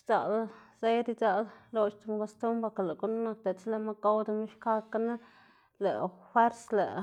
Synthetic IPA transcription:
t͡sa˨lse˦jɾi˧t͡sa˧llo˧t͡ʃt̪u˧m˧ko˧st̪u˦mba˧ka˨le˨ɡu˦n˦na˧k̚t̪e˨t͡sle˧˨ma˦ka˦wd̪a˧mi˦ʃka˦ka˦na˦ | le˨fwe˦ɾslḛ˨

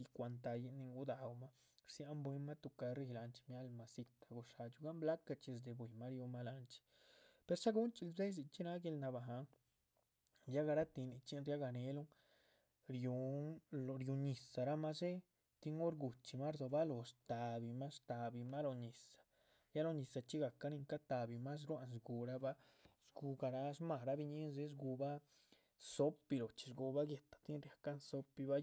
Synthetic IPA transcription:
i˧kʷa˧nt̪̬a˧ji˧ni˧ŋɡu˦d̪a˧wma˦ | ɾsja˧mbwe˧ma˦t̪u˧ka˧ɾi˧˦˧la˧nt͡ʃmja˦lma˧si˧t̪ḁ˧ɡu˧ʂa˧t͡ʃu˧ɡa˦mbla˦ka˧t͡ʃi˧s̬d̪e˨bwe˨ma˦ɾju˧ma˦la˧nt͡ʃi̥˧ | pe˧ɾsa˦ɡu˦nt͡ʃi˧lbze˦s̬i˧t͡ʃi˦na˦ɡe˧lna˧ba˨ɦa˧ŋ | ja˦ɡa˧ɾa˦t̪i˧ni˧t͡ʃi˦nɾja˦ɡa˧ne˧lu˦ŋ | ɾju˧lɾju˧ɲi˨sa˨ɾa˦ma˦se˦ | t̪i˦ŋo˦ɾɡu˨t͡ʃi˧ma˦ɾzo˧ba˦lo˨st̪a˨bi˧ma˦st̪a˨bi˧ma˦lo˧ɲi˨sḁ˨ | ja˦lo˧ɲi˨sa˨t͡ʃi˦ɡa˨ka˦ni˧ŋka˦t̪a˨bi˧ma˦s̬ɾwa˧nsɡu˧ɾa˦ba˦ | zɡu˧ɡa˧ɾa˧sma˧˨ɾa˧˦bi˧ɲi˦nze˦s̬ɡu˧ba˦ | so˦pi˧lo˨t͡ʃi̥˧ʐɡu˧ba˦ɡje˨t̪ḁ˨t̪i˦nɾja˨ka˦nso˦pi˧ba˦

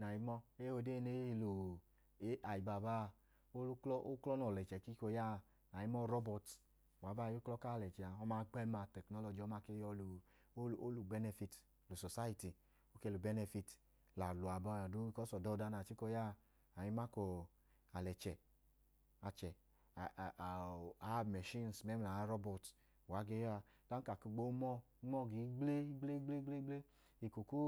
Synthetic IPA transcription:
na˨ji˦mɔ˦e˦o˧de˦˨ne˦i˧˨lo˨ | e˦a˨i˨ba˨ba˦˨ | o˦klɔ˦ʔo˦klɔ˦nɔ˨lɛ˨t͡ʃɛ˨ki˦ko˧ja˦˨ | na˨ji˦mɔ˦ɾɔ˦bɔ˨t | wa˨ba˦˨jo˦klɔ˦ka˦˨lɛ˨t͡ʃɛ˨a˨ɔ˦maː˧ɡ͡bɛ˦ma˨tɛ˨knɔ˦lɔ˨d͡ʒi˨ɔ˨˦ma˧ke˧˦jɔ˧lu˨˦˨ | o˦lu˨bɛ˦nɛ˧fi˧t | lo˨sɔ˨sa˦i˦ti˨ | o˦ke˧˨lo˨bɛ˦nɛ˧fi˧t | la˨lu˨a˨bɔ˨˧˦a˨du˦i˦kɔ˦sɔ˨dɔ˦˨˦da˧na˨t͡ʃi˦kɔ˧ja˦˨ | a˨ji˦ma˦ko˧ | a˨lɛ˨t͡ʃɛ˨ | a˨t͡ʃɛ˨ | a˨˦mɛ˨ʃi˦n˨sme˦m˨a˨˦ɾɔ˦bɔ˨t | wa˨˦ɡe˦ja˧ | d̥a˦ka˨ku˧ɡ͡bo˦mɔ˦mɔ˦˨ɡi˨˦ɡ͡ble˦i˦ɡ͡ble˦ɡ͡ble˦ɡ͡ble˦ɡ͡ble˦ | i˨ku˨ku˦

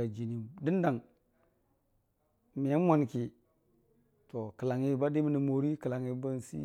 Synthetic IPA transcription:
a˨d͡ʒi˨ni˨di˦n˦da˨ŋ | mi˨a˦n˦wʷa˨nki˨ | to˨kə˨la˨ŋi˨˦ba˦di˦mi˦ni˨mo˨ɾi˦kə˨la˨ŋi˨ba˦n˨sḭ˦

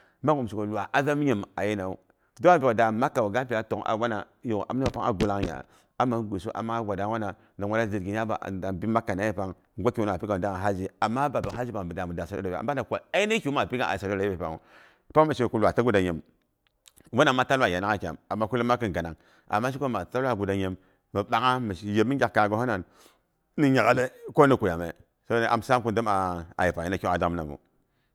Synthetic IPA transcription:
ma˦ɡu˨m˨si˨ko˨lwa˨ʔa˦za˦m˦ɲi˨ma˨je˦na˨u˦ | do˦a˦˨bi˨o˨da˨ma˦kːa˨o˨ɡa˦pi˨a˦to˨ŋa̰˨wa˦na˨˦jo˨ʔa̰˨m˦a˨pa˦ŋa̰˨ɡu˦la˦ŋja̰˨ | a˦ma˨˦n˦ɡʷu˨su˦ʔa̰˨ma˦ɡʷa˨da˦wa˦na˨ | na˨ŋwa˦a˦zi˨ɡi˨ja˦ba̰˨a˨bi˦ma˦kːa˨na˦ji˦pa˨ŋ | ɡʷa˦ki˨wu˦n˨a˨pi˦ka˨da˦ŋa˨ɦa˦d͡ʒi˦a˨mːa˦ba˨bi˨ɦa˦d͡ʒi˦pa˨ŋ˨bə˨da˨mu˨da˨sa˨do˦da˨a̰˨mba˦na˨kʷa˨a˦i˦na˦i˦kʲma˨pi˦ka˦ʔa̰˨sa˨do˦da˨˦be˨pa̰˨ŋṵ˨ | pa˦ma˨ʃku˦lwa˨ta˦ɡu˦da˨ɲe˨m | wo˦na˨mːa˦ta˦la˨ja˨na˦ŋa˦kʲa̰˨ma˨mːa˦ku˦li˦ma˦kə˦˨ɡa˨na˨ŋ | a̰˨mːa˦ʃi˦ko˦ma˨ta˦la˦˨ɡu˨da˨ɲe˨mː | ə˨ɓa˨ŋa˦mə˨je˨˦mi˦ɡʲa˨kka˨ɡo˨˦ho˦na˨n | ni˦ɲa˨ɡa˦le˦ko˦ni˨ku˨ja˨mḛ˨ | so˦ne˦ʔa̰˨msa˦mku˦ndə˦ma˨a̰˨ji˨pa˨i˦na˦˨kʲa˨da˦m˦na˨mṵ˨

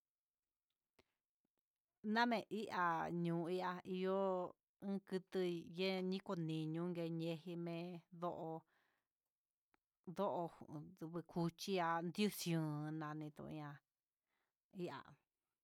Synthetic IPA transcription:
nã˦mẽ˨ʔi˦ʔa˧ɲũː˨˧i˦ʔa˧i˧jo˦ | ɨ̃˦kɨ˧t̪ɨ˧je˦ɲĩ˦ko˧nĩ˨ɲũ˧˦ŋɡe˧ɲẽ˧hi˧mẽ˧ðo˦ʔo˧ | ðo˦ʔo˧˨˧βɨ˧kʰu˧t͡ʃi˦a˧nd̪ju˦sjũː˨˧nã˧nĩ˧t̪ṵ̃˧ʔã˧ | i˦ʔa̰˨

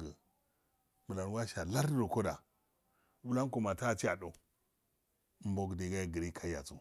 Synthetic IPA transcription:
ɡə˨ | mə˨la˨n˦wa˦ʃa˨la˦ɾdo˨ko˦da˨ | wu˦la˦n˦ko˨ma˨ta˦˨t͡ʃi˦a˨do˨˦ | m˦bo˦ɡdi˨ɡa˦˨ɡə˨ɾi˦kʰa˦ja˨t͡su˨

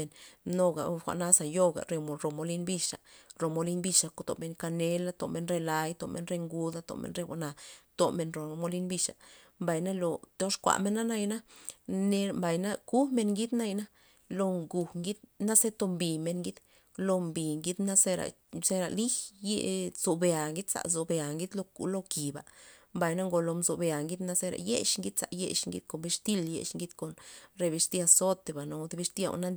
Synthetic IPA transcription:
e˨nno˧ɡa̰˨˧xʷa̰˨ʔna˦sa˨jo˧ɡa̰˨ɾe˧mo˨ɾo˨mo˧li˦nbi˧ʃa̰˨ɾo˨mo˧li˦nbi˧ʂa˨ko˧t̪o̰˨me˧nka˧ne˧˦la˧t̪o˨me˧nɾe˧la˧jt̪o˨mʔḛ˧nɾe˧ŋɡu˧d̪a˧t̪o̰˨mḛ˧nɾe˧wʷa̰˧na˨t̪o˨me˧nɾo˨˧mo˧li˦nbi˧ʂa̰˨mba˨jna˦lo˨t̪o˦ʂkʷa̰˨ʔme˧nːa˦na˦jna˦ne˧mba˨jna˦ku˦me˧nŋɡi˦d̪na˦jna˦ | lo˧ŋɡu˨ŋɡi˦d̪na˦se˦t̪o˧mbi˨me˧nŋɡi˦d̪ | lo˧mbi˨ŋɡi˦d̪na˦se˦ɾa̰˨ | se˦ɾa̰˨li˦je˦˧z̥o˨be˨a˨ŋɡi˦d̪sa̰˨zo˨be˨a˨ŋɡi˦d̪lo˧kṵ˨lo˦ki˨ba̰˨mba˨jna˦ŋɡo˨˧lo˧mzo˨be˧˨a˨ŋɡi˦d̪na˦se˦ɾa̰˨jḛ˦ʃŋɡi˦d̪sa̰˨jḛ˧ʃŋɡḭ̥˧˦ko˨be˧ʂt̪i˦ljḛ˧ʃŋɡi˦d̪ko˨nɾe˧be˧ʂt̪i˦a˧so˦t̪e˨ba˨no˨˦d̪e˧be˧ʂt̪i˦a̰˧˨w̰na˦

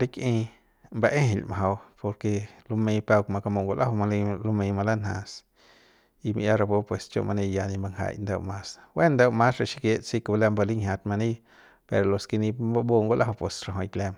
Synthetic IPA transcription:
ɾi˦kʔĩ˧ | mba˧ʔẽ˦ɦe˨lma˨ɦa˧wpo˧ɾke˧lo˧mẽ˧pa˧wkma˧ka˧mo˧˨ŋɡo˧lʔa˦hwa˧lo˧˦mẽ˧ma˧la˦nhã̰˧˨s | i˧mi˧ʔja˦ɾa˧bo˦pwe˨st͡ʃo̰˧˨mʔa˧nẽ˧ja˧nĩ˧mba˧ŋɦa̰˧˨jnd̪ḛ˧wmã˧swe˦nd̪e˧wmã˦sɾa˧˨ʃi˧kje˧ʔt͡si˦ka˧bla˧mba˧li˦ŋhʲja˧t̪̚ma˧nĩ˦j | pe˧ɾo˨lo˧ski˧nĩ˧ba˦bo˦ŋɡo˦lʔa˦hwpe˨sɾa˧ɦõ˧˨jkle˧m

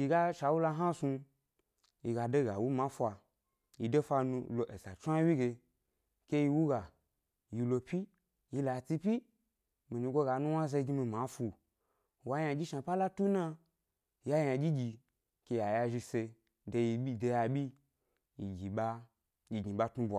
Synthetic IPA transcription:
ji˧ɡa˦ʃa˧wu˦la˧ɦa˦su˧ | ji˧ɡa˨de˦ɡa˨wu˦mã˨˦fʷa˧ | ji˧de˦fa˧nu˧lo˨ʔe˨sa˨t͡ʃʷa˦wi˦ɡe˧ | ke˦ji˧wu˦ɡa˨ | ji˧lo˧pʲi˦ | ji˧la˨t͡si˧pʲi˦ | mi˨ni˧ɡo˦ɡa˨nu˦wa˦ze˧i˧˦ɡi˧mi˧ma˨˦fu˧˨ | wa˧˦ja˧d͡ʒʲi˦ʃa˧˨pa˦la˦tu˦na˧ | ja˦ja˧ɡʲi˦ɡʲi˧ | ke˧ja˨ja˧ʒi˧se˧ | de˧ji˧i˦de˧ja˧ɓʲi˦ | ji˨ɡʲi˨ɓa˦ | i˧ɡi˨ɓa˦tnu˧˦bʷa˨

